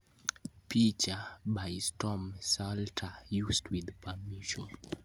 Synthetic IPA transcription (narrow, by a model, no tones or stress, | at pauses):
pit͡ʃabajstʰɔmsaltʰajusdwiðpʰamiʃɔn